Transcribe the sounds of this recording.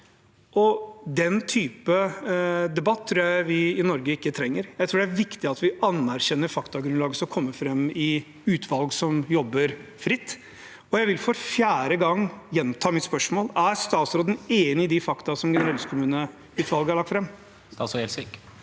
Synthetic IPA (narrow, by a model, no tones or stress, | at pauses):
ʔɔd̪ɛnt̪ʰyːpə | d̪ɛbɑt̪ʰːɾuːjæɪʋɪɪnɔɾɡəɪkːət̪ʰɾɛŋːəɾjæɪt̪ʰɾuːɖɛæɾʋɪkt̪ɪɑt̪ʋɪʔɑnæɾɕɛnːəɾfɑkt̪ɑɡɾʉnlɑːɡəsɔɔkʰɔmːəfɾɛmːɪ | ʉːt̪ʰʋɑlɡsɔmjɔbːəɾfɾɪt̪ː | ɔjæɪʋɪlfɔɾfjæːɾəɡɑŋːjɛnt̪ʰɑːmɪt̪spœʂmoːlæɾst̪ɑːt̪sɾoːd̪ən̩eːnɪɪd̪ɪfɑkt̪ɑsɔmɡɛnəɾɛlskʰʊmʉːnə | ʉːt̪ʋɑlɡəhɑɭɑk̚t̪fɾɛmː | t̪ɑsɔɛlsik